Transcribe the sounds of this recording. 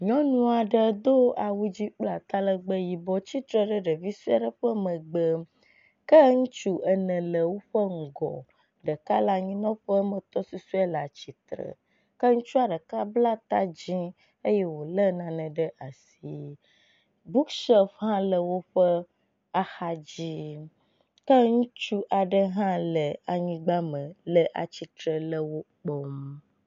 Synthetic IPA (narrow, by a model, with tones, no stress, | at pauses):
ɲɔ̃˦nũ˦a˨ɖə˨d̪o˦a˨wu˦d͡ʑi˦k͡pla˨t̪a˦lə˦ɡ͡bə˦ji˨bɔ˦t͡ɕi˦t̪ɾə˨ɖə˦ɖə˨vi˦su˦a˨ɖə˨ɸə˦mə̃˨ɡ͡bə˦ | kə˦ŋũ˦t͡ʃu˦ʔə˨nə̃˨lə˨wo˦ɸə˦ŋ̩˨ɡɔ̰˨ | ɖə˨ka˦la˦ɲĩ˦nɔ̃˦ɸə˦mə̃˨t̪ɔ˦su˦su˦ɛ˦la˨t͡ɕi˨t̪ɾə̰˨ | kə˦ŋũ˦t͡ʃu˦a˨ɖə˨ka˦bla˦t̪a˦d͡ʑĩ˦ | ə˦jɛ˦wo˨lə˦nã˨nə̃˨ɖə˦ʔa˨s | i˦ | bu˦kʃɛ˦fɦã˦lə˨wo˦ɸə˦ | a˦xa˦d͡ʑi˦ | kə˦ŋũ˦t͡ʃu˦ʔa˨ɖə˦ɦã˦lə˨a˨ɲĩ˦ɡ͡ba˦mə̃˨lə˦ʔa̰˨t͡ɕi˨t̪ɾə˨lə˦wo˦k͡po˦m